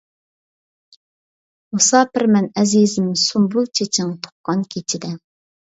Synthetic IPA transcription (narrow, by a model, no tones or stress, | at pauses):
usɑːpʰɪɾmɛnɛzizɪmsumbulˠt͡ʃʰet͡ʃʰɪŋt̪ʰo̥χ̚qɑnkʲʰet͡ʃʰid̪ɛ